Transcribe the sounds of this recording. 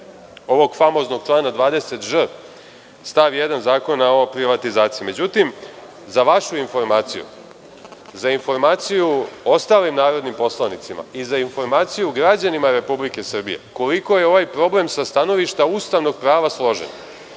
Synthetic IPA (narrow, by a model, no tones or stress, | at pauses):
o̞ʋo̞ɡfamo̞zno̞ɡ̥̚t͡ʃlˠaːnad̪ʋaːd̪e̞se̞t̪ʒr | st̪aʋijed̪anzaːko̞naopɾiʋat̪izaːt̪sijime̞d͡ʑut̪im | zaʋaʃuinfo̞ɾmaːt̪sijṵ | zainfo̞ɾmaːt̪sijuo̞st̪aːlimnaːɾo̞d̪nimpo̞slˠanit̪sima̰izainfo̞ɾmaːt̪sijuɡɾad͡ʑanimaɾe̞publike̞sr̩bḭje̞̰ko̞liko̞jeo̞ʋajpɾo̞ble̞msast̪ano̞ʋiʃt̪aust̪aʋno̞ɡ̚pɾaːʋaslˠo̞ʒḛna